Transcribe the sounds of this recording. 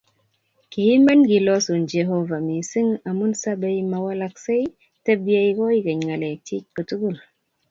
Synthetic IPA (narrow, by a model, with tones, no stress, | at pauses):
ki˨hi˦ma˦nɡi˨lɔ˦so˨nd͡ʒe˨ɦo˦va˨mi˨si˦ŋa˨mu˦nsa˦be˦jma˨wa˦la˦k̚se˦j | te˦bja˦i˦kɔ˦i˦kə˨ɲŋa˨le˨ti˦c̚kə˨tu˦ɡu˦˨l